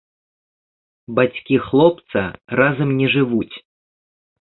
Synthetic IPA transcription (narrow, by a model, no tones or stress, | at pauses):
bat͡sʲkʲixlˠɔp̚t̪sɐ̰razɐmnʲɛʐɨvut͡sʲ